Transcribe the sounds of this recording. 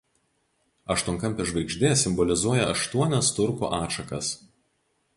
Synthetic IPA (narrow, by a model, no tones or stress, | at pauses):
ɐʃt̪uɔŋkɐmʲˑpʲɪʒʋɐɪɡʒʲd̪ʲeːsʲɪmbɔlʲɪzuɔjɛɐʃt̪uɔnʲɛst̪ʊɾko̰ːʔɑːʃɐkɐs